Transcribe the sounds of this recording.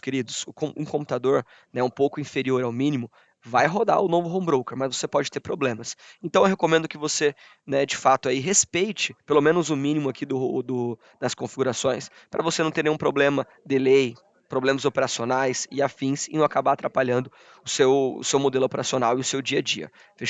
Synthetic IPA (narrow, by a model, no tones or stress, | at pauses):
keɾid̪ʊsʊkõũkõput̪ad̪oɾ | nɛũpowkʊĩfeɾioɾawmĩnimʊ | vajɦod̪a̰ʊnovʊɦõbɾowkeɾmɐzvosepɔd͡ʒɪt̪eɾpɾoblẽmɐsẽnt̪ɐ̃w̃ewɦekomẽnd̪ʊkɪvose | nɛd͡ʒɪfat̪ʊaiɦespejt͡ʃɪpelomẽnʊzʊmĩnimʊakʰid̪ʊd̪ʊ | d̪ɐskõfiɡuɾasõj̃s | pɾɐvosenɐ̃w̃t̪eɾnẽj̃ũpɾoblẽmɐ | d̪ɪlej | pɾoblẽmɐzopeɾasionajsɪafĩsɪnɐ̃w̃akabaat̪ɾapaʎɐ̃nd̪ʊ | ʊsewʊ̰sewmod̪elʊopeɾasionawɪʊsewd͡ʒiɐd͡ʒiɐ̰ | fe